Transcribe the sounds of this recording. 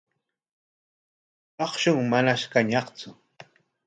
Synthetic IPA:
ɑχʃʊŋmanaʃkaɲɑχt͡sʊ

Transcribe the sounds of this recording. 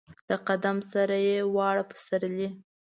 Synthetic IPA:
d̪̥əqad̪amsaɾajewɑɽapə̥saɾli

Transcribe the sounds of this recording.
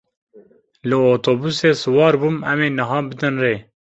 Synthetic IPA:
lɨoːt̪ʰoːbuseːsɨwɑːɾbuːmɛmeːnɨɦɑːbɨd̪ɨnreː

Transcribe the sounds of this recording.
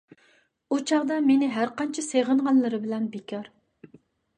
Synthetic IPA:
ut͡ʃʰɑʁd̪ɑmenɪɦæɾqɑnt͡ʃʰɛseʁənʁɑnlˠɨɾɨbɪlɛnbekʲʰɑɾ

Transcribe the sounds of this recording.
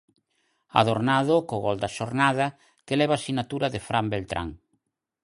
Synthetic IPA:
a̰ðoɾnaðokoɣɔld̪aʃoɾnaðɐ | kelɛβaːsinat̪uɾaðefɾambelt̪ɾa̰ŋ

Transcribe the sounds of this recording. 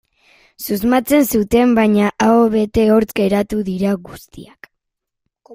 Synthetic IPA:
suzmat͡se̞nsut̪e̞mbajɲaʔaoβe̞t̪e̞o̞ɾt͡ske̞ɾat̪uðiɾaɣust̪ḭak

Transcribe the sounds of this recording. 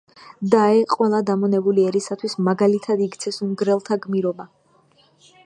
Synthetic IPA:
d̪aɛqʼwɛlˠad̪amɔnɛbuliɛɾisat̪ʰwismaɡalit̪ʰad̪iɡt̪sʰɛsumɡɾɛlˠt̪ʰaɡmiɾɔba

